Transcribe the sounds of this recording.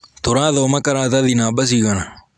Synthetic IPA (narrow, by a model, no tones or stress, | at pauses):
t̪ʊɾaːðomɐkɐɾaːt̪aðinaːɓɐs̬iɡɐna